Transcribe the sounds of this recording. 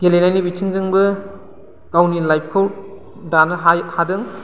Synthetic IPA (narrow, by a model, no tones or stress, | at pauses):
ɡ̥elenajnibitʰiŋzɯŋbɐ | kawnilajp̚ʰkʰaw | danɐɦahadɯŋ